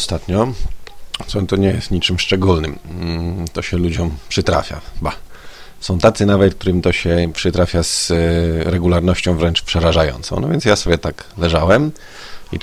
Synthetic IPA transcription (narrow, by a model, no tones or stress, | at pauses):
st̪at̪ɲɔ | sɔnt̪ɔɲɛjɛst̪ɲit͡ʂɘmʂt͡ʂɛɡulnɘm | t̪ɔɕɛlud͡ʑɔ̃mpʂɘt̪ɾa̰fʲja̰ba | sɔ̃w̃t̪at̪sɘnavɛt̪̚k̚t̪uɾɘmit̪ɔɕɛpʂɘt̪ɾafʲjaz | ɾɛɡulaɾnɔɕt͡ɕɔ̃w̃vɾɛnt͡ʂpʂɛɾaʐajɔ̰nt̪sɔ̰̃nɔ̰vʲjɛntsjasɔbʲjɛt̪aklɛʐawɛm | i